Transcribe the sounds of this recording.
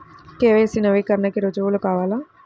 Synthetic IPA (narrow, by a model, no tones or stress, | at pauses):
keːʋeəsĩːnəʋeːkəɾnakeɾod͡ʒolʊkaːʋaːlaː